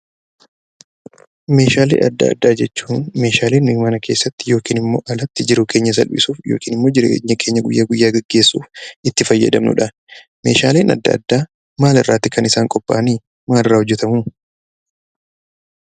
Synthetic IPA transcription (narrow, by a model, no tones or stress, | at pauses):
me̞ːʃaːlḛːʔɐ̰d̪ːɐ̰ɐ̰d̪ːaːd͡ʒɛt͡ʃːuːnme̞ːʃaːleːnmɪɡmaːnɐkʰe̞ːsːɐt̪ːɪjo̞ːkiːnɪmːo̞̰ːʔɐlɐt̪ːɪd͡ʒɪɾuːke̞ːɲːɐs̬ɐ̰lbɪ̰suːfjo̰ːkiːnɪmːo̞ːd͡ʒɪɾɲːɐkʰe̞ːɲːɐɡʊjːaːɡʊjːaːɡɛɡːe̞ːsːṵːfɪt̪ːɪfɐjːɐ̰d̪ɐ̰mnʊ̰ᶑɐ | mḛːʃaːleːnʔɐ̰d̪ːɐ̰ːd̪ːaː | maːlɪrːaːt̪ːɪkʰɐnɪsaːŋkʼɔpʼːa̰ːɐniː | maːlɪrːaːhʊd͡ʒːɛt̪ɐmuː